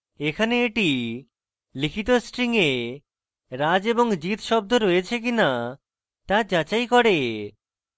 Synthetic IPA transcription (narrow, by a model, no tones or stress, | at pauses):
ekʰaneeʈi | likʰit̪osʈɾiŋe | ɾad͡ʑeboŋd͡ʑit̪ʃɔb̚d̪ʱoɾojet͡ɕʰek̬ina | t̪ad͡ʑat͡ɕajkɔɽe